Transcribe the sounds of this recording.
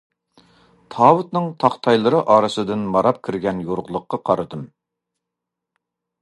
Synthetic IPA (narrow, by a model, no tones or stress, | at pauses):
t̪ʰɑːwɨt̪nɨŋt̪ʰɑχt̪ʰɑjlˠɨɾɨʔɑːɾɨsɨd̪ɨnmɑɾɑp̚kʲʰiɾɡʲɛnjoɾʁlˠʊqːɑqʰɑɾɨd̪ɨm